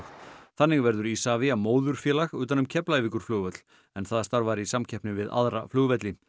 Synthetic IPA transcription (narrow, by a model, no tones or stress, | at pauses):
θanːɪɣvɛɾðʏɾisaːvɪamoːwðʏɾ̥fjɛːlaɣʏːt̪anʏmcʰɛplaɛvikʏɾ̥floːɣvɛt̪l̥ | ɛnθaðast̪aɾvaɾɪisamcʰɛhpnɪvɪða̰ðɾa̰floːɣvɛt̪lɪ